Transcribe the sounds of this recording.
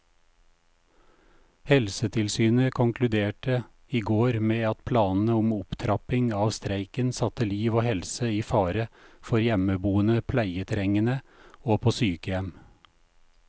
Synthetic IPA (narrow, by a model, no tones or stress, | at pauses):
hɛlsət̪ʰɪlsyːnəkʰʊŋkʰlʉd̪eːʈə | iːɡoːɾmeːɑt̪pʰlɑːnn̩əʊmʊpt̪ʰɾɑpɪŋɑːʋst̪ɾæɪkənsɑt̪əliːʋoːhɛlsəiːfɑːɾəfɔɾjɛməbuːənəpʰlæɪət̪ʰɾɛŋənəoːpʰoːsyːkəjɛm